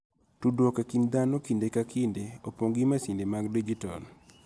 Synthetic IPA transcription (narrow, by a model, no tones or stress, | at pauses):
tudwɔkakind̪anokindekakindeopoŋɡimasindemaɡdid͡ʒitɔ̰l